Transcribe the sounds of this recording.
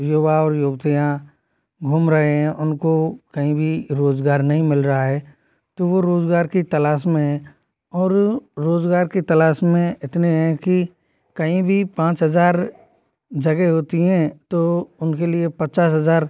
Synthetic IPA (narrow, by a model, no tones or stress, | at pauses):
joːbaɔːɾjoːbt̪ijã | ɡʱʊmɾɐɦeɦɛ̃ʔʊnkokɐɦĩbʱiɾoːzɡaːɾnɐɦĩmɪlɾɐɦaɦɛː | t̪oʋoɾoːzɡaːɾkit̪ɐlaːʃmẽɦɛ̃ | ɔːɾɾːoːzɡaːɾkit̪ɐlaːʃmẽɪt̪neɦɛ̃ki | kɐɦĩbʱipãːt͡ʃɦɐzaːɾ | d͡ʒɐɡeɦoːt̪iɦɛ̃ːt̪oʊnkeliepɐtːt͡ʃaːsɦɐzaːɾ